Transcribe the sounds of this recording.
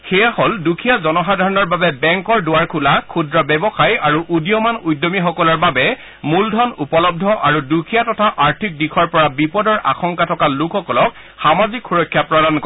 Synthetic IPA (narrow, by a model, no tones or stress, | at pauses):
xejahɔldukʰijazɔnɔɦadʱaɹɔnɔɹbabɛbɛŋkɔɹdʊwaɹkʰulakʰudɹɔbɛbɔxajaɹuʔudijɔmanujdːɔmixɔkɔlɔɹbabɛ | muldʱɔnupɔlɔb̚dʱɔʔaɹudukʰijatɔtʰaʔaɹtʰik̚dikʰɔɹpɔɹabipɔdɔɹʔa̰xɔŋkatʰɔkalukʰːɔkɔlɔk̚ | xamazikxuɹɔkʰːjapɹɔdankɔ